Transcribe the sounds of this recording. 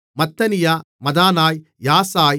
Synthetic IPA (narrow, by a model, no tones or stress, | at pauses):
mɐt̪ːɐnijaː | mɐd̪aːnaːj | jaːsaːj